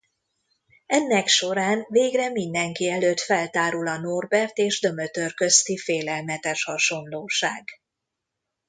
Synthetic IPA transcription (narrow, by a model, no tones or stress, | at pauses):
ɛnːɛkʃo̞ɾaːnveːɡrɛmind̪ɛŋkiɛløːt̪fɛlt̪aːɾulɒno̞rbɛrt̪eːʒd̪ø̞møt̪ørkø̞st̪ifeːlɛlmɛt̪ɛʃhɒʃo̞nloːʃaːɡ